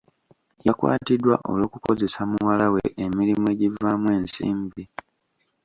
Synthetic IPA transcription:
jakwa̰ːtidwa̰ʔo̞̰lo̞ːkuko̞ze̞samuwalaweʔemiɾimue̞ːɟivamwe̞ːnsḭːmbi

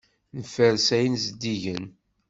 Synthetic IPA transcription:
nəfəɾsæjənzəd̪ːiʝən

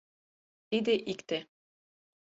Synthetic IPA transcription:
t̪id̪ɘʔikt̪e

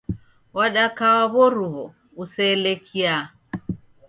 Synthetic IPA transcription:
waɗakawaβɔɾuβɔ | usɛlekʰia

